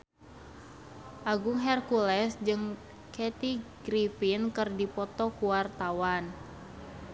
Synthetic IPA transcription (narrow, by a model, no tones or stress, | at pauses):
ʔaɡuŋɦɛrkulɛsd͡ʒɨŋ | kɛt̪iɡɾifinkɨrdipɔt̪ɔkuwart̪awan